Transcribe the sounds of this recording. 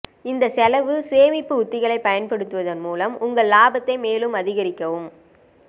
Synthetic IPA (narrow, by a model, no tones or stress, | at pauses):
ɪnd̪ɐsɛlɐʋɯseːmɪpːɯʊt̪ːɪɣɐɭɐɪpːɐjɐnpɐɽɯt̪ːɯʋɐðɐnmuːlɐmʊŋɡɐɭlaːbɐt̪ːɐɪmeːlɯmɐðɪɣɐɾɪkːɐʋɯm